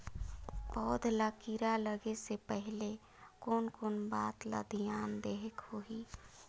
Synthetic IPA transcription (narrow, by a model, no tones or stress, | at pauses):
pɔːd̪ʱlakiɾaləɡesepəɦɪle | koːnkoːnbaːt̪lə̰d̪ʱijaːnd̪eɦekhoiː